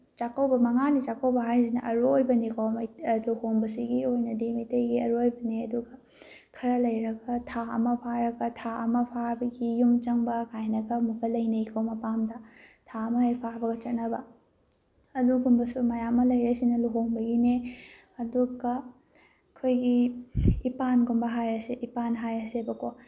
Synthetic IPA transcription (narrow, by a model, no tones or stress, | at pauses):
t͡ʃakɐwbɐmɐŋanit͡ʃakʰɐwbɐɦajzinɐ̰ʔɐɾuojbɐnikʰomɐluhoŋbɐsiɡiojnɐdimitejɡiɐɾuojbɐniɐduɡɐ | kʰɐɾɐlɐjɾɐɡɐtʰaɐ̰mɐpʰaɾɐɡɐtʰaɐ̰mɐpʰaɾbɐɡijumt͡ʃɐŋbɐkajnɐɡɐmukɐlɐjneikʰɐwmɐpamdɐtʰaɐmɐhipʰabɐɡɐt͡ʃɐt̚nɐbɐ | ɐduɡumbɐsumɐjamːɐlɐjɾɐsinɐluɦoŋbɐɡine | ɐduɡɐ | kʰojɡiː | panɡombɐɦajɾɐseʔipanɦajɐsebɐkʰo